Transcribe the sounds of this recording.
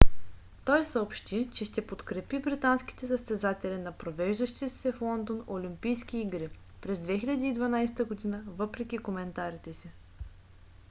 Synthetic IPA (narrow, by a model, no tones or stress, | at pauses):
t̪ɔjsəopʃt̪it͡ʃɛʃt̪ɛpot̪kɾɛpibɾit̪anski̥t̪ɛsəst̪ɛzat̪ɛlʲinɐpɾovɛʒd̪əʃt̪it̪ɛ̥sɛflˠɔnd̪onolʲimpijsk̟iːɡɾi | pɾɛzd̪vɛxilʲɐd̪iːd̪vɐnajsɛ̥t̪əɡod̪inəvɤpɾɛkʲikomɛnt̪aɾit̪ɛsi